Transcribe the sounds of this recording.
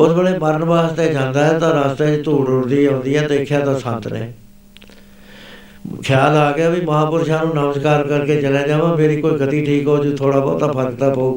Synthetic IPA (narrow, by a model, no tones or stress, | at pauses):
oːt̪bəɽeːməɾənʋaːst̪eːd͡ʒãːnd̪aːɦɛːt̪ãːɾaːst̪eːt͡ʃt̪uːɖoɾd̪iːɦõːnd̪iːɛːd̪eːkʰjaːt̪ãːsənt̪nḛː | kʰɪjaːlaːɡɪjaːbiməɦãːpʊɾʃaːnũːnəmskaːɾkəɾkeːt͡ʃəlãːd͡ʒaːʋãːmeːɾiːkoːiːkət̪iːʈʰiːkɦoːd͡ʒot̪ʰoːɽaːbɔ̰ːt̪aːpʰəɾkt̪aːpəuː